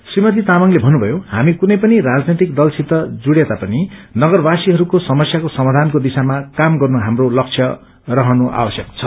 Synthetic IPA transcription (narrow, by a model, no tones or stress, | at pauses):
srimʌt̪̬it̪amʌŋlebʱʌnːubʱʌjoha̰mikunʌjpʌniɾad͡znet̪ik̚d̪ʌlt͡sʰit̪ːʌd͡zuɽjet̪apʌninʌɡʌrbasiɦʌɾukosʌmʌsjakosʌmad̪ʱankod̪isamakamɡʌrnuɦamrolʌkt͡sʰjʌ | rʌɦʌnuʔa̰wʌsjʌkt͡sʰʌ